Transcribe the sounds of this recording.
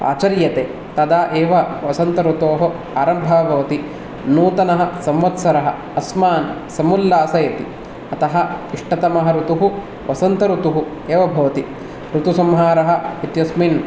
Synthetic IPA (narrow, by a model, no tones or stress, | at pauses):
a̰ːt͡ʃɐɾjɐt̪eː | t̪ɐd̪aːʔeːʋɐʋɐsɐnt̪ɐɾut̪oːɦɐ | aːɾɐmbʱɐbʱɐʋɐt̪i | nuːt̪ɐnɐɦɐ̆sɐmʋɐt̪sɐɾɐɦɐ̆ | ɐsmaːn | sɐmulːaːsɐjɐt̪i | ɐt̪ɐɦɐiʂʈɐt̪ɐmɐɦɐɾut̪uɦu | ʋɐsɐnt̪ɐɾut̪uɦu | eːʋɐbʱɐʋɐt̪i | ɾut̪usɐmɦaːɾɐɦɐ̆it̪jɐsmin